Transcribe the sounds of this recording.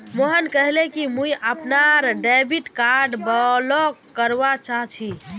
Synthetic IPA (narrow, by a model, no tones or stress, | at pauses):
moɦənkəɦlekimujʔəpnaɾɖebiʈkaɾɖbəlɔkkəɾbat͡ʃaɦt͡ʃʰi